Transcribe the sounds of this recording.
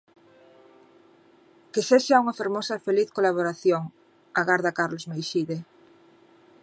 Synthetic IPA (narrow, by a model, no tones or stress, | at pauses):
keseʃauŋɐfeɾmosɐfeliθkolaβ̞oɾaθjoŋ | aɣaɾðɐkaɾlozmejʃiðe